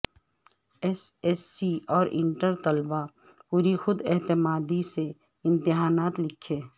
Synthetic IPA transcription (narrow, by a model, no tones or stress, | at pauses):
ɛsɛsːiɔːɾɪ̰̃ɳʈəɾt̪ɐlba | puːɾixʊd̪ɛɦt̪ɪmaːd̪ise | ɪ̃nt̪ɪɦaːnaːt̪lɪkʰːeː